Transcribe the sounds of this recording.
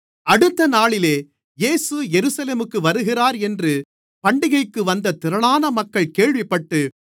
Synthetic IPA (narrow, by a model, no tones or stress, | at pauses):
ɐɽɯt̪ːɐnaːɭɪleː | jeːsɯjɛɾɯsɐleːmɯkːɯʋɐɾɯɣɪraːɾɛndrɯ | pɐɳɖɪɣɐɪkːɯʋɐnd̪ɐt̪ɪɾɐɭaːnɐmɐkːɐɭkeːɭʋɪpːɐʈːɯ